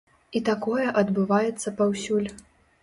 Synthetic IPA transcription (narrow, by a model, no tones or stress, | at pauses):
it̪akɔjɛʔɐd̪bɨvajɛt̪sːɐpawsʲulʲ